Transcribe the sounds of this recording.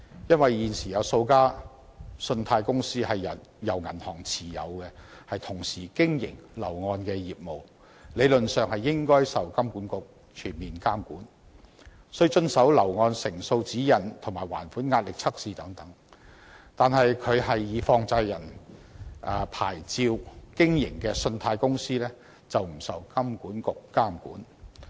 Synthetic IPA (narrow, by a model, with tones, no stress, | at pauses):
jɐ˥nwɐ˨jːiː˨nsiː˨˩jɐ˨˧wso˧wkaː˥ | sɵ˧nt̪ʰaː˧jkʊ˥ŋsiː˥hɐ˨jɐ˨˩ | jɐ˨˩wŋɐ˨˩nhɔː˨˩ŋt͡sʰiː˨˩jɐ̰˨˧wkɛ˧hɐ˨jt̪ʰʊ˨˩ŋsiː˨˩kɪ˥ŋjɪ̰˨˩ŋlɐ̰˨˩wŋɔː˧nkɛː˧jiː˨p̚mo˨w | le˨˧jlɵ˨nsœː˨ŋhɐ˨jːɪ˥ŋkɔː˥jsɐ˨wkɐ˥mkuː˨˥nkʊ˨˧k̚ | t͡ʃʰyː˨˩nmiː˨nkaː˥mkuː˨˥n | sːi˧t͡ʃɵ˧nsɐ˨˥wlɐ˨˩wŋɔː˧nsɪ˨˩ŋso˧wt͡siː˨˥jɐ˨˩nt̪ʰŋmaː˨˩jwa̰ː˨˩nfuː˨˥nŋaː˧t̚lɪ˨k̚t͡sʰɐ˥k̚siː˨˧t̪ɐ˨˥ŋt̪ɐ˨˥ŋ | t̪aː˨nɦɐ˨jkʰɵ˨˧ɥɦɐ˨jːiː˨˧fɔː˧ŋt͡sɐ˧jːɐ˨˩n | ʔɐː˨˧pʰa̰ː˨˩jt͡siː˧wkɪ˥ŋjɪ˨˩ŋkɛː˧sɵ˧nt̪ʰaː˧jkʊ˥ŋsiː˥lɛː˥ | t͡sɐ˨wm̩˨˩sɐ˨wkɐ˥mkuː˨˥nkʊ˨kːaː˥mkṵː˨˥n